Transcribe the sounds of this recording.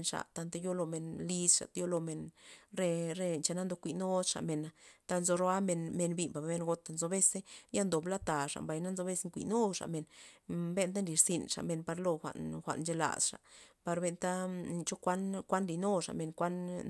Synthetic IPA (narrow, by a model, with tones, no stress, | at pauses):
nʂa̰˨t̪a˧nt̪e˧jo˦lo˧me˨nli˧sʂa̰˨t̪jo˦lo˧me˨nɾe˧ɾe˧nt͡ʃa˧na˦nd̪o˧kʷi˧˨no˦d̪ʂa̰˨me˨na˨t̪a˦nzo˧ɾo˦a˦me˧nme˧nbi˧mba˨bme˧nɡo˧t̪a˨nzo˧be˦se˦ja˦nd̪o˨bla˦t̪a˨ʂa̰˨mba˨jna˦nzo˧be˦se˦ŋkʷḭ˨no˦ʂa̰˨me˨nbe˦nt̪̬a˦nli˧ɾsi˧nʂa̰˨me˧˨npa˧ɾlo˧xʷa̰˨ʔnxʷa̰˨ʔnnt͡ʃe˧la̰˨sʂa̰˨pa˨˧ɾbe˧nt̪a˦ni˧t͡ʃo˦kʷa˦nkʷa˦nli˧˨no˦ʂa̰˨me˨nkʷa˦n